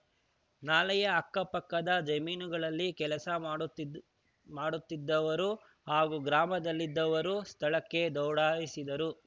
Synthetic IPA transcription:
naːlɐjɐɐkːɐpɐkːɐd̪ɐd͡ʒɐmiːnuɡɐɭɐlːikɛlɐsɐ | maːɽut̪ːid̪ːɐʋɐɾu | haːɡuɡɾaːmɐd̪ɐlːid̪ːɐʋɐɾust̪ʰɐɭɐkːe̞d̪ɐwɽaːʋisid̪ɐɾu

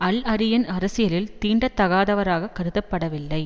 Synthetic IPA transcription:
ɐlɐɾɪjɐnɐɾɐsɪjɐlɪlt̪iːɳɖɐt̪ːɐɣaːðɐʋɐɾaːɣɐkːɐɾɯðɐpːɐɽɐʋɪlːɐɪ

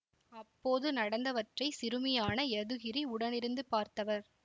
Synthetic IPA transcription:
ɐpːoːðɯnɐɽɐnd̪ɐʋɐʈrɐɪsɪɾɯmɐjaːnɐɛðɯɣɪɾiʊɽɐnɪɾɯnd̪ɯpaːɾt̪ɐʋɐɾ

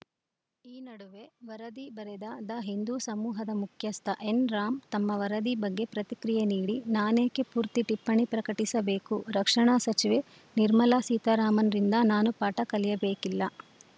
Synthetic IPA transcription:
iːnɐɽuʋe̞ʋɐɾɐd̪ibɐɾed̪ɐd̪ɐɦind̪usɐmuːɦɐd̪ɐmukʰjɐst̪ʰɐʔenɾaːmt̪ɐmːɐʋɐɾɐd̪ibɐɡːe̞pɾɐt̪ikɾijeniːɽinaːneːkepuːɾt̪iʈipːɐɳipɾɐkɐʈisɐbe̞ːkuɾɐkʂɐɳaːsɐt͡ʃiʋe̞ | niɾmɐlaːsiːt̪ɐɾaːmɐnɐɾind̪ɐnaːnupaːʈɐkɐlijɐbeːkilːɐ

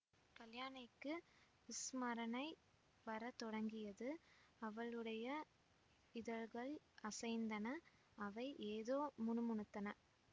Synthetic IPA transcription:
kɐljaːnɐɪkːɯ | ʋɪsmɐɾɐnɐɪ | ʋɐɾɐt̪ɔɽɐŋɡɪjɐðɯɐʋɐɭɯɽɐjɐ | ɪðɐɭɣɐɭ | ɐsɐɪnd̪ɐnɐ | ɐʋɐɪʔeːðoːmʊnɯmʊɳɯt̪ːɐnɐ

